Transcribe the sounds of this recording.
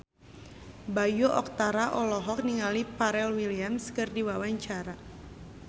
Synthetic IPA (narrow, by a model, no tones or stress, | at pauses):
bajoʔɔk̚t̪aɾaʔɔlɔɦɔk̚niŋalipaɾɛlwiliamskɨrdiwawaɲt͡ʃaɾa